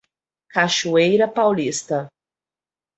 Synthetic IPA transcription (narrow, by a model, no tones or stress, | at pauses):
kaʃuejɾɐpawlist̪ɐ